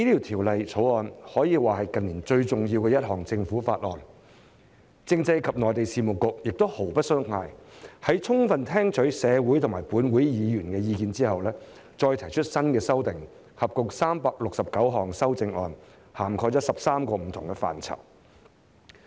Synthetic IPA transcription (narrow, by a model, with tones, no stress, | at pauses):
iː˥t̪ʰi˨˩wt̪ʰiː˨˩wlɐ˨jt͡sʰo˨˥wɔː˧nhɔː˨˥jiː˨˧waː˨˩hɐ˨jkɐ˨nliː˨˩nt͡ʃɵ˧ɥt͡sʊ˨ŋji˧wkɛː˧jɐ˥t̚hɔː˨˩ŋt͡sɪ˧ŋfuː˨˥fa̰ː˧t̚lɔː˨˩n | t͡sɪ˧ŋt͡sɐ˧jkʰɐ˨p̚nɔː˨˩jt̪e˨jsiː˨˩mʊ˨˩wkʊ˨˧k̚jɪ˨k̚t̪o˥who˨˩wpɐ˥t̚sœ˥ŋŋaː˧jhɐ˨˥jt͡sʰʊ˥ŋfɐ˨nt̪ʰɛː˥ŋt͡ʃʰɵ˨˥ɥsɛː˨˧wu˨˥jt̪ʰʊ˨˩ŋmaː˨˩jpuː˨˥nwuː˨˥jjiː˨˧jyː˨˩nkɛː˧jiː˧kiː˧nt͡siː˥ɦɐ˨wlɛː˥ | t͡sɔː˧jt̪ʰɐ˨˩jt͡ʃʰɵ˥t̚sɐ˥nkɛː˧sɐ˥wt̪ɪ˨ŋ | hɐ˨p̚kʊ˨k̚saː˥mpaː˧k̚lʊ˨k̚sɐ˨p̚kɐ˨˥wɦɔː˨˩ŋsɐ˥wt͡sɪ˧ŋɔː˧n | haː˨˩mkʰɔː˧jt͡sɔː˨˥sɐ˨p̚saː˥mkɔː˧m̩˨˩t̪ʰʊ˨˩ŋkɛ˧fa̰ː˨nt͡sʰɐ̰˨˩p̚